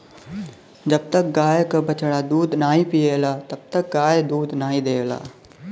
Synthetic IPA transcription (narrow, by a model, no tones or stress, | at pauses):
d͡ʒɐb̚t̪ək̚ɡaːjekɐbɐt͡ʃɽad̪uːd̪naːɦĩpijeːlat̪ɐb̚t̪ək̚ɡaːjd̪uːd̪naːɦĩd̪eːʋla̰ː